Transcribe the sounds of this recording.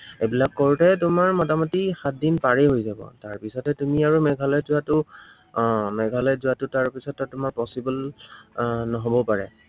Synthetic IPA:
ebilakːoɹutɛtʊmaɹmɔtamɔtixat̚dinpaɹɛɦojzabɔ̰taɹpisɔtɛtumiaɹumɛɡʱalɔjzuatʊ | mɛɡʱalɔjzuatʊtaɹpisɔtːɔtːʊmaɹpɔsibɔl | nɔɦobɔpaɹɛ̰

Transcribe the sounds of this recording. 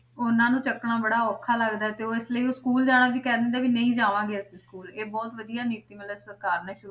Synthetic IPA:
ʊnãːnũːt͡ʃəkːɽãːbəɽaːɔːkʰːaːləɡd̪aːɛːt̪eːoːɪsləioːskuːld͡ʒaːɽ̃aːʋiːkɛːd̪eːnd̪aːʋiːnəĩːd͡ʒaːʋãːɡesĩskuːleːbɔːt̪ʋəd̪ijaːniːt̪iːmɪlːsəɾkaːɾnãːʃʊɾu

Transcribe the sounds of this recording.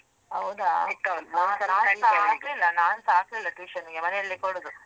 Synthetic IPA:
ɐwd̪anaːnaːnaaːklilːɐnaːnsaːklilːɐʈiːʃɐniɡemɐneɐlːikoɽud̪u

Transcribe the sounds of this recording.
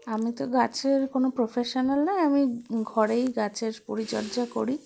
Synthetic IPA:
amit̪oɡat͡ɕʰeɾkonopɾofʰeʃonalnajamiɡʱɔɾejɡat͡ɕʰeɾpoɾit͡ɕɔ̰ɾd͡ʑako̰ɾi

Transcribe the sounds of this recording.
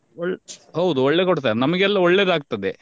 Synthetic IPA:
ɔɭɦɐwud̪uɔɭːekoɽt̪ajanɐmɐɡɛlːɐɔɭːeːd̪aːɡ̚t̪ɐd̪e

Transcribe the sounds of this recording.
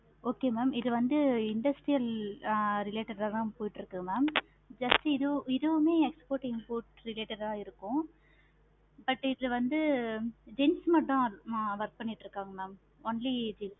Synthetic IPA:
oːkeːmaːmɪðɯʋɐnd̪ɯɪɳɖɐsʈɾijɐl | ɾɪleːʈɐɾɐlãːpoːjɪʈːɾɯkːɯmaːm | d͡ʒɐsʈɯɪðɯɪðɯʋɐmeːɛkspoːɾʈɪmpoːɾʈɾɪleːʈɐɾaːɪɾɯkːʊ̃ | bɐʈːɪðlɐʋɐnd̪ɯd͡ʒɪnsmɐʈːʊ̃ʋɐɾk̚pɐɳːɪʈːɾɯkːaːŋɡɐmaːm | oːnlid͡ʒins

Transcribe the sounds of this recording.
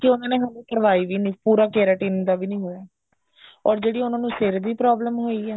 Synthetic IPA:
kɪʊnãːneːɦəlũːkəɾʋaːiːʋiːnĩːpuːɾaːkeːɾaʈiːnd̪aːbiːnĩːɦoːaː | ɔːɾd͡ʒeːɽiːʊnãːnũːsɪɾb̪iːpɾɔːbləmɦoːiːɛː

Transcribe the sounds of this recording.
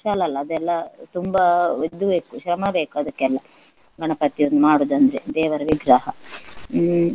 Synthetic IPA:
ʃaːlɐlːɐːd̪ɛlːɐt̪umbɐod̪ːubeːkuʃɾɐmɐbeːkuɐd̪ɐkːɛlːɐ | ɡɐɳɐpɐt̪ːijond̪umaːɽoːd̪ɐnd̪ɐɾed̪ɛːʋɐɾɐʋiɡɾaːɦɐ

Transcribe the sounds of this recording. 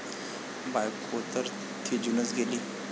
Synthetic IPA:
bajkʰot̪əɾ | t̪ʰid͡ʒunət͡sɡeliː

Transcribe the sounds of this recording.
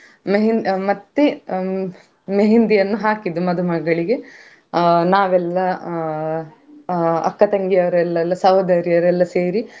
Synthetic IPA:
meɦinmɐt̪ːe | meɦind̪ijɐnːuɦaːkid̪umɐd̪umɐɡːɐɭiɡe | naːʋɛlːɐ | ɐ̰kːɐt̪ɐŋɡijɐʋɐɾɛlːɛlːɐsɐʋɐd̪ɐɾijɐʋɾɛlːɐseːɾi

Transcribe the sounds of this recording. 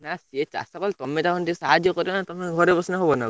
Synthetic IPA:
naset͡ʃa̰sakɔlt̪ɔmet̪akʰɔnʈisaɦad̪ʱjɔkɔɾibɔnat̪ɔmeɡʱɔɾebɔsnaɦobɔna

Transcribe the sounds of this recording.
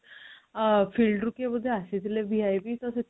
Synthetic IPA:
fiːlɖɾukeməd̪ʱːjeəset̪ileʋiajbiːt̪əse

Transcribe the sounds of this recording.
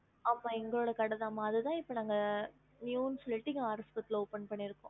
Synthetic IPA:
amːaːɛŋɡɐɭoːɽɐkɐɽɐðaːmːaːɐðɯt̪ãːɪpːɐnaːŋɡɐ | njuːnslːɪʈːɪŋɡɐaːɾɐspɐt̪ːɪloːpɛnpɐɳːɪɾɯkːõ

